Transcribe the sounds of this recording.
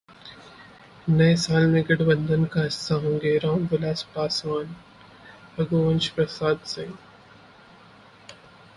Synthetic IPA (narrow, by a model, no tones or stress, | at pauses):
nɐesaːlmẽɡɐɽbənd̪ʱənkaɦɪsaɦõːŋɡeːɾãːmbʊlaːspaːsʋaːn | ɐɡoːʋɐ̃nt͡ʃpɾɐsaːd̪sẽ